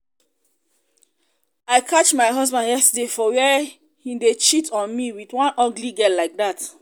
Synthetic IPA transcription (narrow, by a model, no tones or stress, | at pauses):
aɪkʰat͡ʃmaɪɦɔzbãndjɛstədefɔwɛ | hidet͡ʃitʰɔ̃nmiwitwãnʔɔɡliɡɛlaɪk̚dat